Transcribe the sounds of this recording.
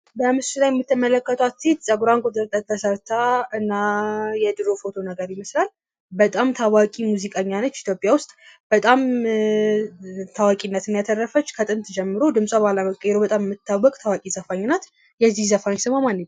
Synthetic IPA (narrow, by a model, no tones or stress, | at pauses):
bəmɨst̪ulajɛmːɨt̪ʰːɨmələkːət̪ʰwast̪ʰit̪sʼəɡuɾaŋkʼut̪ʼɨɾt̪ʼət̪ʰːəsəɾt̪ʰaɨnːajɛd̪ɨɾo̞fo̞t̪ʰo̞nəɡəɾjɪməslal | bət̪ʼamt̪ʰawakʼimuzikʼəɲːanət͡ʃːit̪ʰjopʼːjawʊst̪ʼb̥ət̪ʼam | t̪ʰawakʼinːət̪ɨnjat̪ʰərːəfət͡ʃːkʰət̪ʼɨnt̪ʰd͡ʒɛmːɨɾo̞d̪ɨmsʼabalaməkʼəjɛɾobət̪ʼammːɨt̪ʰːawːəkʼt̪ʰawakʼizəfaɲːnːat̪ | jɛzːihzəfaɲsɨmamanːɨɲ